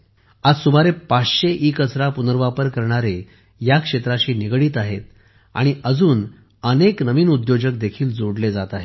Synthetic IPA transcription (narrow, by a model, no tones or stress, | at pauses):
ad͡zsumaɾepat͡sɕeʔiːkəsɾapunəɾʋapəɾkəɾɳ̃aɾe | jakʂet̪ɾaɕiːniɡɽiːt̪aɦet̪̚ | a̰ɽ̃iʔəd͡zuːn | əneknəʋiːnud̪jod͡ʑək̚d̪ekʰiːld͡zoɽled͡zat̪aɦe